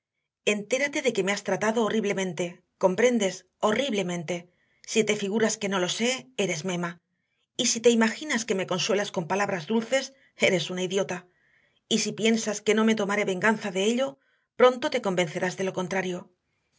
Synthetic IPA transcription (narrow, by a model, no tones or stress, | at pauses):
e̞nt̪e̞ɾat̪e̞ðe̞ke̞me̞ast̪ɾat̪aðo̞ːriβle̞mẽ̞nt̪e̞ | ko̞mpɾe̞nd̪e̞s | o̞riβle̞mẽ̞nt̪e̞ | sit̪e̞fiɣ̞uɾaske̞no̞lo̞se̞e̞ɾe̞zmẽ̞ma | isit̪e̞imaxinaske̞me̞ko̞nswe̞lasko̞mpalaβɾazðulθe̞s | e̞ɾe̞sunaiðjo̞t̪a | isipje̞nsaske̞no̞me̞t̪o̞maɾe̞βe̞ŋɡanθaðe̞eʎo̞ | pɾo̞nt̪o̞t̪e̞ko̞mbe̞n̟θe̞ɾazðe̞lo̞ko̞nt̪ɾaɾjo̞